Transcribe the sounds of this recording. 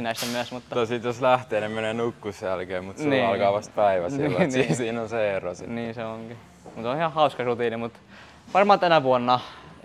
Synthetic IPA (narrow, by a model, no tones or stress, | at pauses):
inæisemyæsmut̪ːɑosit̪joslæht̪eːnemeneːnukːusːælkeːmut̪niɑlkɑːʋɑst̪̚pæiʋæsilːsiːsiːnonseero̰sḭniːseoŋɡ̥i | mut̪onhihɑhɑuskɑrut̪iːnimut̪ | ʋɑrmɑːt̪ænæʋuonːɑ